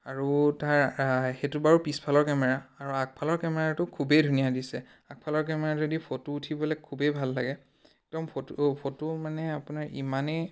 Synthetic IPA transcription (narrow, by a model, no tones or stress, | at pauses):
aɹutaɹxetubaɹupispʰalɔɹkɛmɛɹaːɹuak̚pʰalɔɹkɛmɛɹatʊkʰubɛjdʱunijadisɛ | ak̚pʰalɔɹk̬ɛmɛɹaoadipʰotuːtʰibɔlɛkʰubejbʱalːaɡɛ | ɛk̚dɔmppʰotumanɛapʊnaɹḭmanɛ